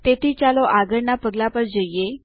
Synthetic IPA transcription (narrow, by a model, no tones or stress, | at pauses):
t̪et̪ʰiːt͡ɕaloʔaɡəɾɳapəɡlapəɾd͡ʑəjje